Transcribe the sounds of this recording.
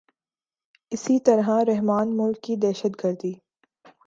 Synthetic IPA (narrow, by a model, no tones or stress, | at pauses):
ɪsit̪ɐɾɦaɾɛɦmaːnmʊlkːid̪ɛːʃət̪ɡɐɾd̪iː